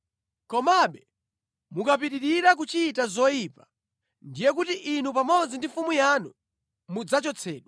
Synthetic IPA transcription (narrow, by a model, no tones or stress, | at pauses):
kɔmaɓɛ | mukap̬iɗiɾiɾak̬ut͡ʃitazɔjiːpa | ndijɛk̬utiʔinupamɔd͡zindifumujanu | mud͡zat͡ʃɔt͡sʰɛ̰ːɗɔ